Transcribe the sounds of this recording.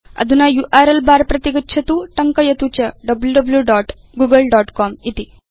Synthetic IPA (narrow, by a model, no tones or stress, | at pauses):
ɐ̰d̪ʱunajuʔaɾelbaɾpɾɐt̪iɡətːɕʰɐt̪uʈɐŋkəjɐt̪ut͡ɕɐɖɐbljuɖəbljuɖɔːʈ | ɡuɡəlɖɔʈkɔmit̪i